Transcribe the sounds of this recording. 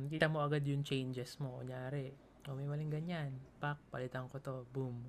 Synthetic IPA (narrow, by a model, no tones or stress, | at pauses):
kiːt̪ɐmo̞ʔɐɡad̪jʊŋt͡ʃɛjnd͡ʒɛsmoʔo̰ɲaːɾɛ | mɐmimɐlɪŋɡɐɲanpak̚pɐlɪt̪ɐŋkot̪o̞bum